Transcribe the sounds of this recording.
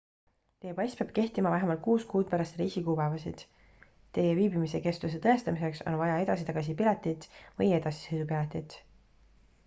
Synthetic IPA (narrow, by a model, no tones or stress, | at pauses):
t̪ejepɑjsʲpeɑb̥ke̞ht̪imɑvæɦemɑlt̪̚kuːskuːd̪̥̚pæɾɑst̪riːsikuːpævɑsḭd̪̥ | t̪ːe̞jeviːbimise̞ke̞st̪us̬e̞t̪ɤe̞st̪ɑmise̞kso̞̰nvɑjɑe̞d̪̥ɑsit̪ɑɡ̥ɑs̬ipilɑt̪ːˑit̪ˑvɤje̞d̪̥ɑsi̥sɤjd̪up̬ilɑt̪ʲːˑit̪ˑ